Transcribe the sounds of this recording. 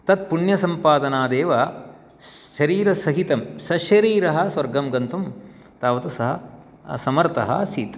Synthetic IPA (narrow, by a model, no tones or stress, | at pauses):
t̪ɐt̪̚puɳjɐsɐmpaːd̪ɐnaːd̪eːʋɐ | ʃɐɾiːɾɐsɐɦit̪ɐmsɐʃɐɾiːɾɐɦɐ̆sʋɐɾɡɐmɡɐnt̪um | t̪aːʋɐt̪usɐɦɐ | sɐmɐɾt̪ɐɦɐ̰siːt̪